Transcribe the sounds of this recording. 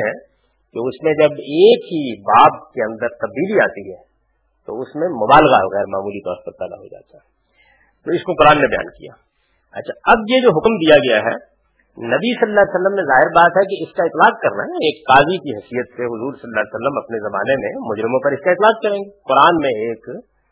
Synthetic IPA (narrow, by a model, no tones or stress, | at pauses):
ɦɛ̃ | keʊsmẽd͡ʒɐbeːkɦibaːp̚keɐ̃nd̪əɾt̪ɐb̚d̪iːlia̰ːt̪iɦɛ̰ | t̪o̰ʊsmẽmʊbaːlɣaɐ̰ɣɛːɾma̰ːmuːlit̪ɔ̰ːɾpɐɾpɛ̰ːd̪a̰ɦo̰d͡ʒa̰ːt̪aɦɛ | t̪oɪskoqʊɾaːnːebɐja̰ːnkḭja̰ː | ɐtːʃʰaɐbjed͡ʒoːɦʊkmd̪ijaɡɐjaɦɛ̰ | nɐbisɐləːaːljsəlːəmːẽzaːɦɪɾbaːt̪ɦɛkiɪskaɪt̪laːqkɐɾna̰eːkːaːzikiɦɐsijət̪seɦʊzuːɾsɐləlːaːljsəlːəmɐpnezɐma̰ːnemḛ̃mʊd͡ʒɾɪmõpɐɾɪskaɪt̪laːq̚kɐɾẽːŋɡeqʊɾaːnmẽeːk